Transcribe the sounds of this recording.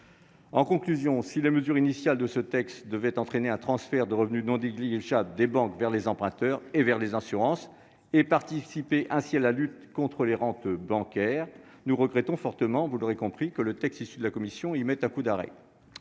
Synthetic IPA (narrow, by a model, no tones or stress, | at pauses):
ɑ̃kɔ̃klyzjɔ̃sileməzyʁinisjald̪əsət̪ɛkst̪d̪əvɛt̪ɑ̃t̪χeneɛ̃t̪χɑ̃sfɛʁd̪əʁəvnynɔ̃d̪eɡliʒabld̪ebɑ̃kvɛʁlezɑ̃pχɛ̃t̪œʁevɛʁlezɛ̃syʁɑ̃s | epaʁt̪isipeʔɛ̃sialalyt̪kɔ̃t̪χəleʁɑ̃t̪bɑ̃kʲɛʁ | nuʁəɡʁɛt̪ɔ̃fɔʁt̪əmɑ̃vulɔʁekɔ̃pχikələt̪ɛkst̪isyd̪əlakɔmisjɔ̃imɛt̪ɛ̃kud̪aʁɛ̰